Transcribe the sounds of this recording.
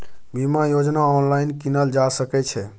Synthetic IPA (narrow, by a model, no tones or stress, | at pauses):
bimajod͡ʒnaɔnlainkinəld͡ʒasəkɛt͡ʃʰɛ